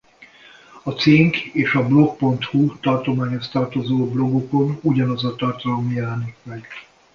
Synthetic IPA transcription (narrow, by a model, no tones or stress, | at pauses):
ɒt̪seːŋkeːʃɒblo̞k̚po̞nt̪hut̪ɒrt̪omaːɲho̞st̪ɒrt̪o̞zoːblo̞ɡoko̞nuɟɒnɒzɒt̪ɒrt̪ɒlomjɛlɛnikmɛɡ